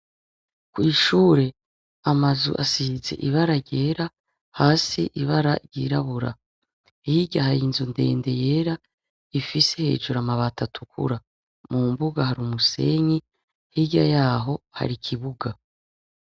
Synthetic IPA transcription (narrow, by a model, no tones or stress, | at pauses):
kwiːʃuːɾe̞ | amazṵʔasize̞̰ʔiβaɾaɾɟe̞ːɾa | haːsiʔiβaɾaɾɟḭːɾaβuɾa̰ | hiɟahaɾiːnzunde̞̰ːnde̞je̞ːɾa | ifisehe̞̰ːd͡ʒuɾamaβatʰatʰukʰṵɾa | mumbuɡahaɾumuse̞̰ɲi | hiɟajaːɦo̞ha̰ɾikʰiβuɡa